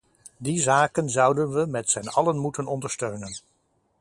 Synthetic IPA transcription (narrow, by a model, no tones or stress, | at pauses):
dizaːkənzʌwdənʋəmɛtsɛnɑlənmutənɔndəɹstøɥnən